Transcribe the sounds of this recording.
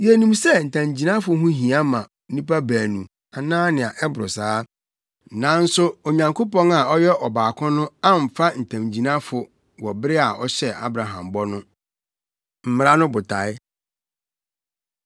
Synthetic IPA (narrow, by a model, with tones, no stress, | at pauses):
je˨nũ˨msɛ˦n̩˨tʰã˨md͡ʑi˨nã˦fʊ˦ɦʊ̃˦ɦĩ˨a˦mã˨˦nĩ˦pa˦bæː˨nũ˨ | a˨nãː˦nɪ̃˨a˨ʔɛ˦bʊ˨ɾʊ˨saː˦ | nã˨˦n̩˦sʊ˦o˨ɲã˨ŋkʰo˦pɔ̃˦ŋa˨ɔ˦jɛ˦ʔɔ˨baː˨kʰʊ̃˦nʊ̃˦a˦m̩˨fa˦n̩˨tʰã˨m˨d͡ʑi˨nã˦fʊ˨ | wɔ˨bɾɪ˦a˨ɔ˦ɕɛ˦a̰˦bɾa˨ɦã̰˨mbɔ˦nʊ̃˦ | m̩˨˦m˦ɾa˦nʊ̃˦bʊ˨tʰa˨ɪ˦